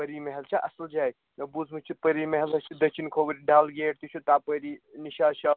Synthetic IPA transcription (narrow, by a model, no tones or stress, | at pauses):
pəɾimeɦelt͡ʃʰɐʔɐsəld͡ʒaːj | nɐbud͡zʱmɨt͡ʃʰipəɾimeɦelɐst͡ʃʰid̪ɐk̚t͡ʃʰinkʰoːbiɾiɖaːlɡeːʈt̪it͡ʃʰut̪apəɾiniʃaʃa